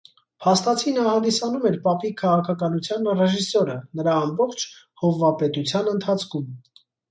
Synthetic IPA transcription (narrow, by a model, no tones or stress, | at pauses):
pʰɑst̪ɑt͡sʰinɑhɑnd̪isɑnumɛɾpɑpikʰɑʁɑkʰɑkɑnut͡sʰjɑnrɛʒisɔɾənəɾɑːmbɔχt͡ʃʰ | hɔvːɑpɛt̪ut͡sʰjɑnənt̪ʰɑt͡sʰkʰum